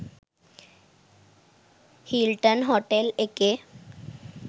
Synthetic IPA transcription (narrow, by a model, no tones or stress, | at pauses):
hilʈənɦoʈeleke